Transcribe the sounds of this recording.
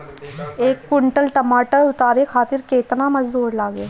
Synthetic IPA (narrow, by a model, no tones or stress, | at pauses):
eːkːɪɳʈəlʈəmaːʈəɾʊt̪aːɾekʰaːt̪ɪɾkeːt̪namɐd͡ʒbuːɾlaːɡeː